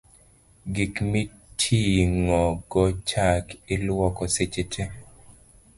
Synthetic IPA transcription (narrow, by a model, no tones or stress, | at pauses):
ɡikmi | tʰiŋɔɡɔt͡ʃakɪlwɔkɔset͡ʃetʰe